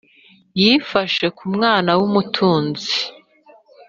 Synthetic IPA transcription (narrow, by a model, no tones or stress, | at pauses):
jifaʃe̞kumŋaːnawumutʰuːnzi